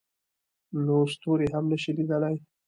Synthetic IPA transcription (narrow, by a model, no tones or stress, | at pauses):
nost̪oɾeɦamnəʃilid̪əlaj